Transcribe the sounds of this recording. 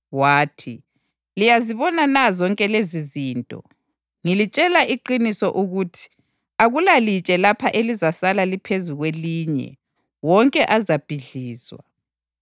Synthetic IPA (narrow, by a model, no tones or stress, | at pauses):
waːtʰi | lijaziβɔnanazɔŋkʼɛleziziːntʼɔ̰ | ŋilit͡ʃʼɛlaʔiǃinisɔʔuɣutʰi̥ | aɣulalit͡ʃʼɛlapʰaʔelizasalalipʰezuɣweliɲɛ̰ | wɔŋkʼɛʔazab̥ʱiɮiːzwa̰